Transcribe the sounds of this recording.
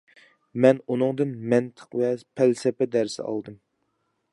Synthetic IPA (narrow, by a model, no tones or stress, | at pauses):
mɛnunɨŋd̪ɨnmɛnt̪ʰə̥qvɛpʰælsɛpɛd̪æɾsɪ̰ɑ̰lˠd̪ɨm